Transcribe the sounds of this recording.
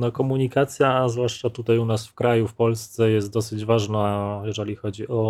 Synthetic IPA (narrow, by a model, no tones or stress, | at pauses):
nɔkɔmuɲikat̪sʲjazvwaʂt͡ʂat̪ut̪ajunasfkɾajufpɔlst̪sɛjɛst̪̚d̪ɔsɘd͡ʑvaʐnajɛʐɛlʲixɔd͡ʑiʔɔ